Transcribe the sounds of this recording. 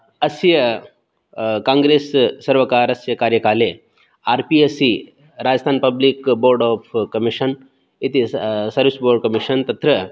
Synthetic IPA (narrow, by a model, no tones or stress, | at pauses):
ɐsjɐ | kãːŋɡɾeːsːɐɾʋɐkaːɾɐsjɐkaːɾjɐkaːleː | aːɾpiːesi | ɾaːd͡ʒəst̪ʰaːnpɐblikboːɾɖɔːpʰkɐmiʃɐn | it̪isɐɾʋisboːɾɖ̚kɐmiʃɐnt̪ɐt̪ɾɐ